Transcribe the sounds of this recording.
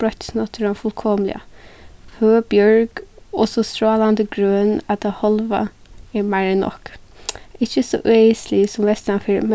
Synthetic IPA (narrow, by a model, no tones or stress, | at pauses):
ɾɔt̪snɔt̪ʰəɾɔnfʏlkʰɔːmlɪ̰a̰føːbjɔɹɡ̥ɔsɔst̪ɾɔːland̪əɡɾøːnad̪̚ahɔlʋa̰ | ɛmaɹənɔ̰k | ɪçəsɔ̰ʔeɪslɪsɔmʋɛst̪anfɪɹmɛ